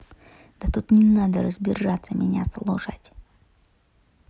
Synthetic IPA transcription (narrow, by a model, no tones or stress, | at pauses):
d̪̥ɐt̪ut̪nʲɪnad̪əɾəzbʲɪʐat̪sːəmʲɪnʲa̰slˠoʂatʲ